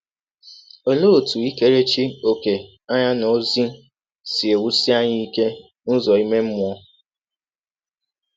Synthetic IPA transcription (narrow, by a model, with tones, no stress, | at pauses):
o˨lo˦o˨tu˨i˦ke˦ɾe˦t͡ʃi˦o˨ke˨ | a˦ɲa˦no˨zi˦ | si˨e˨wu˦si˦a˦ɲɪ˦i˦ke˦ | nʊ˦zɔ˨i˦me˦m̩˦mʊ˨ɔ˦